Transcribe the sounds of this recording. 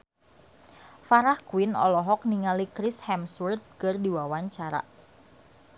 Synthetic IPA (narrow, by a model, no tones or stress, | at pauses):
faɾahkuwɪnɔ̰lɔɦɔk̚niŋalikɾɪshɛmsurt̪̚kərdiwawaɲt͡ʃaɾa̰